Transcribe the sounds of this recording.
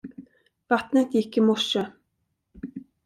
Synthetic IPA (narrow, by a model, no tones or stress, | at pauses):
vat̪nət̪jɪkːɪmɔʂə